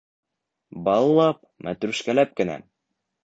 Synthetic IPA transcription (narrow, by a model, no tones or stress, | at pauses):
bɑlˠːɑp̚ | mʔæ̰t̪ɾʉʃkælæp̚kɘ̆næ̰